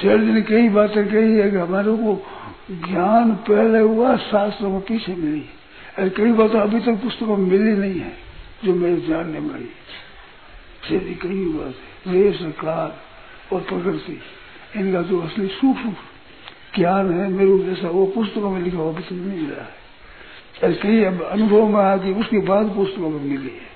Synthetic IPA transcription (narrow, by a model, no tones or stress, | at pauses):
t͡ʃeːɾd̪ɪnkɐibaːt̪ẽkəɦiɦɛkiɦɐmaːɾekoɡjaːnpɛɦleɦʊasaːst̪ɾəmepiːt͡ʃʰemɪli | ɛːɾkəibaːt̪ẽɐbʱit̪əkpʊst̪əkamemɪlinɐɦĩɦɛ̃ | d͡ʒoːmeɾeɡjaːnːemḛi | sedikəibaːt̪ɦɛ̃ɾeːsekaːl | opɾəkəɾt̪i | ɪnkad͡ʒoɐslisuːpu | ɡ̪jaːnɦɛmeːɾud͡ʒɛːsaopʊst̪əkamẽlɪkʰaɐbʱit̪əknɦiɪla̰ɦɛ | eɾkəiəɐnʊbʱəʋmẽaːk̬iʊskebaːd̪pʊst̪əkamemɪliɦɛ